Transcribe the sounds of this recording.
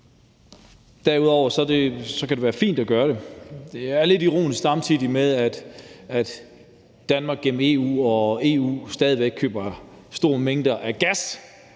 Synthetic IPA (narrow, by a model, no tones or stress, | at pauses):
d̥æɐuð̞ˠɒʊ̰ɐsɒ̽de̝sɒ̽kæd̥e̝ʋæːɐfḭːnd̥ɒɡ̥ɶːɐɾ̥e̝d̥e̝æɐle̝diʁo̝̰ːnisɡ̥sɑ̈mt͡sʰið̰ˠimeðˠæd̥æd̥ | d̥ænmɑ̈ːɡ̥em̩e̝ṵːɒ̽e̝ːṵːsd̥ɛːð̞ˠiʋeɡ̥̚kʰø̰ːb̥ɐ | sd̥o̝ːɐme̝ŋd̥ɐʔæɡ̥æs